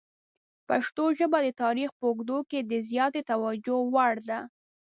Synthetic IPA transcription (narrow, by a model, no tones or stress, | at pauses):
paʃt̪oʒəbad̪ət̪ɑɾixpəʊɡd̪oked̪əzjɑt̪et̪awad͡ʒowaɽd̪a